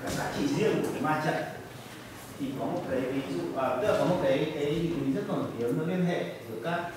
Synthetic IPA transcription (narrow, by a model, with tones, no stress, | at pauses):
kaː˨˦˥k̚zaː˨˦t͡ɕḭ˧˨zi˧˦ə˨ku˧˩ə˩kaː˨˦maː˧t͡ɕə̰˧˨ŋ | t̪ʰi˨˩kɔ˨˦mo˨˩t̚ka˨˦vi˨˦zṵ˧˨ʔəː˨˩ə˦˥laː˨˩kɔ˨˦mo˨˩t̚ka˨˦ʔə˨˦ji˨˩mi˨˦ŋzə˦˥t̚kɔ˨˩˨t̪i˨˦əmvəː˨˦li˧ənɦḛ˧˨zɨ˧˩əkaː˦˥k̚